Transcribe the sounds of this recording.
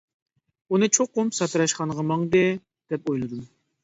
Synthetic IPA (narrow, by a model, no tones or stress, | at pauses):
unɨt͡ʃʰoqːʊmpsɑt̪ɨɾɑʃqɑnʁɑmɑŋd̪ɨ | d̪̥ɛp̚ojlˠɨd̪um